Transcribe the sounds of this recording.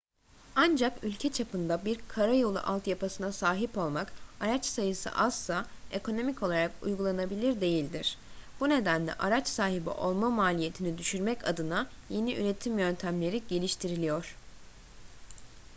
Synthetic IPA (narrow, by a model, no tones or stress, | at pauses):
and͡ʒakylʲcʰɛt͡ʃʰapʰɯnd̪abiɾkʰaɾajo̞lˠṵʔalˠt̪japʰasɯnasaːɦipo̞lˠmakaɾat͡ʃsajɯsɯ̰ʔaslˠae̞kʰo̞no̞mico̞lˠaɾakṵjɡulˠanabilʲiɾd̪e̞jilʲd̪iɾ̥b̥une̞d̪ænlʲɛ̰ʔaɾat͡ʃsaːɦibḭʔo̞lˠmamaːlʲije̞t̪ʰinid̪yʃyɾmɛca̰d̪ɯna | je̞niʔyɾe̞t̪ʰimjø̞nt̪ʰæmlʲe̞ɾiɟe̞lʲiʃt̪ʰiɾilʲijo̞ɾ̥